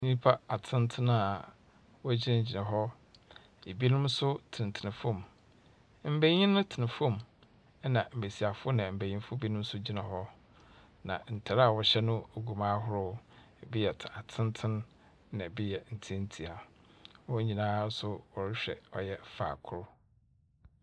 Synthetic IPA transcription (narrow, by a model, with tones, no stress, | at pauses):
nĩ˦pʰa˦a˨tʰɪ̃˦ntʰɪ̃˦na˨ | wɔ˦æ˦d͡ʑi˦ã˦˨d͡ʑi˨nã˨ɦɔ˦ | e˨bi˦nʊ̃˦msʊ˦tʰɪ̃˨n˨tʰɪ˨nɪ̃˨fõ˦˨m | m̩˦be˦ɲĩ˦nʊ̃˦tʰɪ˨nɪ̃˨fõ˦˨m˦ | nã˨m̩˨e˨si˨a˨fʊ˦ʊ˦nã˨m̩˨be˨ɲĩ˦fʊ˦bi˦nʊ̃˦m˦sʊ˦d͡ʑi˦nã˨ɦɔ˦ | nã̰˨n̩˨tʰa˨ɾa˦˨wɔ˨ɕɛ˦nʊ̃˦o˨ɡu˨mã˦ɦʊ˦ɾʊ˦˨ | bi˦jɛ˨tʰa˨tʰɪ̃˦n˦tʰɪ̃˦n | nã˨bi˦jɛ˨n̩˨tʰi˦n̩˦tʰi˨a˨ | wɔ˦ɲĩ˨nãː˦sʊ˦wɔ˨ɾɪ˦ɕᶣɛ̰˨ɔ̰˦jɛ˦fa̰ː˨kʰʊ˦˨ɾʊ˦